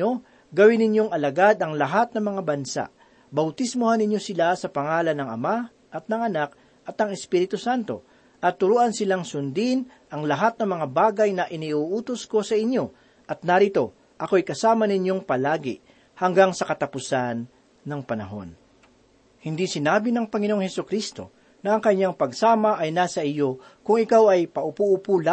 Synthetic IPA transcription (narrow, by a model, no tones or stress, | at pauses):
o̞ | ɡɐwɪnɪɲjo̞ŋɐlɐɡad̪ɐŋlɐɦat̪̚nɐŋmɐŋabɐnsa̰ʔ | bɐwt̪ɪsmohanːɪɲjo̞sɪlasɐpɐŋaːlɐnɐŋɐma | ʔɐt̪̚nɐŋɐnak̚ | ʔɐt̪ɐŋɛspiːɾɪt̪ʊsant̪o̞̰ | ʔɐt̪ːʊɾuːʔɐnsɪlaŋsʊnd̪in | ʔɐŋlɐɦat̪̚nɐmɐŋabaːɡɐjnɐʔɪniʔuːʔuːt̪osko̞sɐʔɪɲjo̞ | ʔɐt̪̚nɐɾɪt̪o̞ | ʔɐko̞jkɐsaːmɐnɪɲo̞ŋpɐlaːɡɪ̰ | hɐŋɡaŋsɐkɐt̪ɐpʊsanː | ɐŋpɐnɐ̰ɦo̞̰n | hɪnd̪isɪnaːbɪnɐŋpɐŋɪnooŋhɛsʊkɾist̪o̞̰ | nɐɐŋkɐɲaŋpɐɡsaːmɐʔɐjnaːsɐʔɪjo̞ | kʊŋɪkawɐjpɐʔʊpuʔʊpula